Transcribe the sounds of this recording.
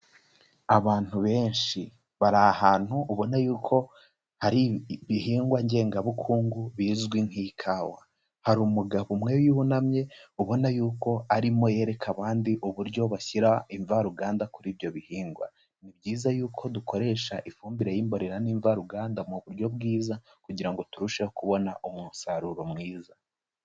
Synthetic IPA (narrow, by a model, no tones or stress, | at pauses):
aβaːn̥huβe̞ːnʃi | βaɾahaːn̥huʔuβo̞najuːkʰo̞ | haɾiβiɦiːŋɡwaɲɟe̞ːŋɡaβukʰuːŋɡuβiːzɡwiŋ̥hikʰaːwa | haɾuːmuɡaβumŋe̞wjiβunamɲe̞uβo̞najuːko̞aɾimo̞je̞ɾe̞kʰaβaːndiʔuβuɾɟo̞βaçiɾaiɱvaɾuɡaːndakuɾiːβjo̞βihiːŋɡwa̰ | nibɟiːzajuːkʰo̞dukʰo̞ɾe̞ːʃaʔifuːmbiɾejimbo̞ɾe̞ɾaniːɱvaɾuɡaːndamuβuɾɟo̞bɡiːza | kuɟiɾaŋɡo̞tuɾuʃehokuβo̞naʔomunsaɾuɾo̞mwiːza